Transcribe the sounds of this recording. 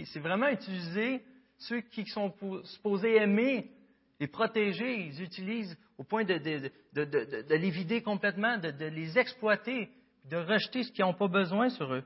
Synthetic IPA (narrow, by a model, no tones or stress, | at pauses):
sɛvʁɛmɑ̃yt̪ilize | søkʲii̥sɔ̃posy̥pozeɛme | lepχɔt̪eʒeilzyt̪iliːz | opwɛ̃d̪əd̪ə | d̪əd̪əd̪əd̪əlevid̪ekɔ̃plɛt̪mɑ̃d̪əd̪əlezɛksplwat̪e | pid̪əʁəʒt̪esə̥kʲiɔ̃pɔbəzwɛ̃syʁø